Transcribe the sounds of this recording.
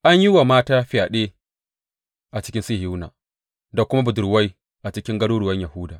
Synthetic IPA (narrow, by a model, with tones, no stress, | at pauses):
ʔa˦ɲji˦wa˨maː˦taː˦ɸɪ˦jaː˨ɗeː˦ | ʔa˨t͡ʃɪ̥˦kʲɪ˦nsi˦hi˦wna̰ː˨ | da˨kʷʊ˦ma˦bʊ˨dʊ˨rwa˦j | ʔa˨t͡ʃɪ˦kʲɪ˦ŋɡɐ˦ɽuː˦ɽʊ˨wɐ˦ɲjɐ˨hʊ˦daː˨